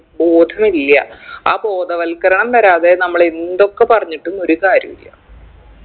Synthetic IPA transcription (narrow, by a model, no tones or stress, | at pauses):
bo̞ːd̪ʱɐmilːjɐ̰aːbo̞ːd̪ɐʋɐlkɐɾɐɳɐmt̪ɐɾaːðe̞nɐmːɐɭend̪o̞kːe̞pɐrɐɲːiʈːuno̞ɾukaːɾjɐmḭlːɐ̰